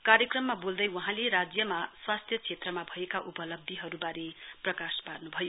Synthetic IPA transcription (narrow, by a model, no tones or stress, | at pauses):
kaɾjʌkrʌmːabold̪ʌjwʌɦãleɾad͡zjʌmaswast̪ʰjʌt͡sʰet̪rʌmabʱʌekaʔupʌlʌb̚d̪ʱiɦʌɾubaɾeprʌkasparnubʱʌjo